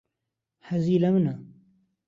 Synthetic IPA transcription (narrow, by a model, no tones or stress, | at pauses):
hɐziːlɐmɨnɐ